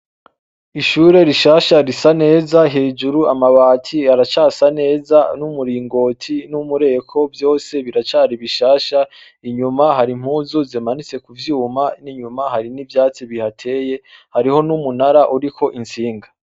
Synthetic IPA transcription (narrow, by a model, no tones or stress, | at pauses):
iʃuːɾe̞ɾiʃaːʃaɾisane̞ːzaɦe̞ːd͡ʒuɾuamaβaːtʰiaɾat͡ʃaːsane̞ːzanumuɾiːŋɡo̞ːtʰinumuɾe̞ːkʰo̞vjo̞ːse̞βiɾat͡ʃaːɾiβiʃaːʃa | iɲumaɦaɾim̥huːzuzimanit͡se̞kuvjuːmaniɲumaɦaɾinivjaːt͡siβihatʰe̞ːje̞haɾiho̞numunaɾaʔuɾikʰo̞ʔinsiːŋɡa